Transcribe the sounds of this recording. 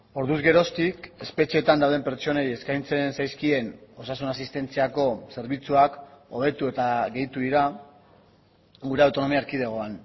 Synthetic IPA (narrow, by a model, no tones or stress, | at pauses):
o̞ɾðuzɣe̞ɾo̞st̪ike̞spe̞t͡ʃie̞ːt̪and̪awðe̞mpe̞ɾt͡ʃo̞neje̞skajnt͡se̞nsajskie̞no̞sasunas̬ist̪e̞nt͡siako̞se̞ɾβ̞it͡suako̞β̞e̞t̪ue̞t̪aɣe̞jt̪uðiɾa | ɡuɾe̞awt̪ono̞miaɾkið̞eɣ̞o̞an